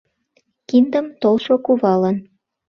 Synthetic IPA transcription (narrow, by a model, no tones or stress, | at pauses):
kind̪əmt̪olʃokuβɑlən